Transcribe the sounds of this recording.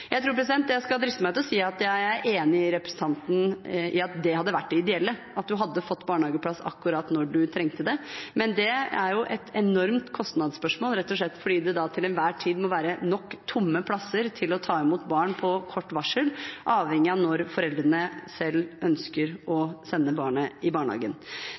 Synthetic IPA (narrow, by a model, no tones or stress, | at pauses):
jæɪɾuːɾpɾɛs̬ɪd̪ɛnt̪djæɪskɑld̪ɾɪsəmæɪt̪ʰlɔsiːɑt̪jæɪæɾʔeːnɪɪɾɛpɾə̥ɛsən̩t̪ʰɑnt̪n̩ɪɑt̪̚d̪ɛhɑd̪ːəʋæʈ̚ːɖɛɪd̪ɛɛlːəʔɑt̪̚d̪ʉɦɑd̪ːəfɔt̪ːbɑːɳhɑːɡəpʰlɑsɑ̰kːʉɾɑːt̪nɔɖʉt̪ʰɾɛŋt̪əd̪ɛmɛnd̪ɛæɾjʊʔɛt̪ʰɛnɔɾmt̪kʰɔst̪nɑd̪spœʂmoːlɾɛt̪ːɔʂ̬lɭɛt̪ːfɔɖiːd̪ɛd̪ɑt̪ʰɪlɛnʋæːʈʰiːd̪mɔʋæːɾənɔkːt̪ʰʊmːəpʰlɑsəɾt̪ʰɪlɔt̪ʰɑːɛmuːt̪bɑːɳpʰɔkʰɔʈːʋɑʂəlʔɑːʋhɛŋːɪɑnɔɾfɔɾɛld̪ɾənəsɛlːœnskəɾɔsɛnːəbɑːɳəɪbɑːɳhɑ̰ːɡə̰n